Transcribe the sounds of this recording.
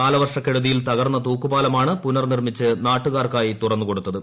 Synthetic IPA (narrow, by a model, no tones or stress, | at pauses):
aːlɐʋɐrʂɐkːe̞ɻuðijilt̪ɐɣɐrnːɐt̪uːkːubaːlɐmaːɳɨpunɐrnirmit͡ɕːɨnaːʈːuɣaːrkaːjit̪urɐnːuko̞ɽut̪ːɐðɨ